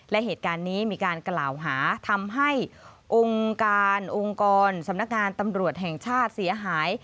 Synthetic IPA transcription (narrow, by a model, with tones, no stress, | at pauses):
lɛ˦˥ʔɦeː˨˩t̪̚kaː˧nːiː˦˥miː˧kaː˧nklaː˨˩wɦaː˩˦t̪ʰa˧mɦa˥˩jʔo˧ŋkaː˧nʔo˧ŋkɔː˧nsa˨˩˦mna˦˥k̚ŋaː˧nt̪a˧mɾu˨˩ət̪̚ɦɛ˨˩ŋt͡ɕʰaː˥˩t̪̚si˩˦ɐɦaː˩˦j